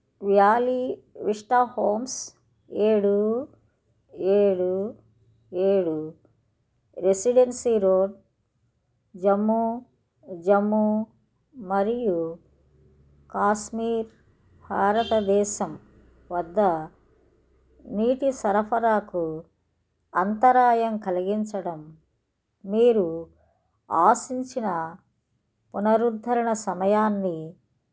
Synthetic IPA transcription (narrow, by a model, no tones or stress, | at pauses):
ʋjaːliʋiʂʈaːhoːms | eːɽu | eːɽu | eːɽu | ɾesiɖensiɾoːɖ̚ | d͡ʒɐmːu | d͡ʒɐmːu | mɐɾiju | kaːʃmiːɾ | bʱaːɾɐt̪ɐd̪ɛːʃɐm | ʋɐd̪ːɐ | niːʈisɐɾɐpʰɐɾaːku | ɐnt̪ɐɾaːjɐmkɐliɡiɲt͡ʃɐɽɐmː | iːɾu | aːsiɲt͡ʃinɐ | punɐɾud̪ʱːɐɾɐɳɐsɐmɐjaːnːi